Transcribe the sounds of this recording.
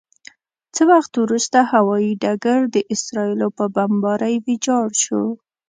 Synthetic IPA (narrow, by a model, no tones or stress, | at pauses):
t͡səwaxt̪wɾust̪ahawɑjiɖaɡaɾd̪əʔɪsɾɑilopəbambɑɾajwɪd͡ʒɑɽʃo